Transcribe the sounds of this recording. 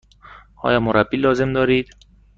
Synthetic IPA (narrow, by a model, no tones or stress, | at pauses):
ɒ̰ːjɒːmoɾæbːiːlɒːze̞md̪ɒːɾiːd̪̥